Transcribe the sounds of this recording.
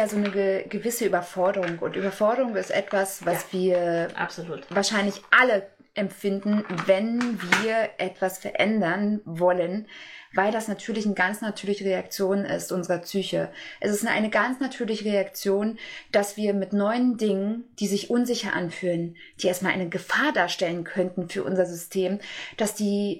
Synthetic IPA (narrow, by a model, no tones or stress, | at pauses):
aːzoːnəɡəɡəvɪsəʔyːbɐfɔɐdəʁʊŋkʊntʔyːbɐfɔɐdəʁʊŋɪstʔɛ̰tv̥asv̥asv̥iːɐʔa̰pz̥oluːtvaːɐʃaɪnlɪçʔalə | ʔɛmfɪndn̩vɛnviːɐʔɛtv̥asfɛɐʔɛndɐnvɔlənvaɪldasnatʰyːɐlɪçnəɡansnatʰyːɐlɪçəʁeak̚t͡sjoːnɪ̰stʔʊnzəʁɐpt͡syːçəʔɛsɪstnʔa̰ɪnəɡant͡snatʰyːɐlɪçəʁeakt͡sjoːnd̥asv̥iːɐmɪtnɔʏəndɪŋənd̥iːzɪçʔʊnzɪçɐʔa̰nfyːlən | d̥iːʔeːɐtmalʔa̰ɪnəɡəfaːɐdaːɐʃtɛlənkʰœntn̩fyːɐʔʊ̰nzɐzʏstʰeːmd̥asd̥iː